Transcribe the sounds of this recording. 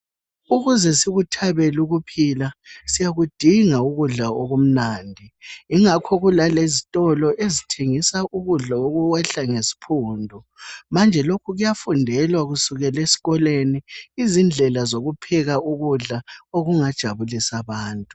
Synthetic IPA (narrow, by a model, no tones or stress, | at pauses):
uɣuzɛsiɣutʰaβeluɣupʰilasijaɣud̥ʱiŋauɣuɮaoɣum̩naːndʱiiŋakʰɔɣulalezitʼɔlɔʔezitʰeŋisaʔuɣuɮaoɣuwɛɬaŋesi̥pʰuːndʱɔ | mand͡ʒʱɛlokʰuɣujafundʱɛlwaɣusuɣɛlesi̥ɣɔleniːzind͡ɮʱɛlazoɣupʰɛɣauɣuɮaoɣuŋad̥ʒ̥ʱaβulisaβaːntʼu̥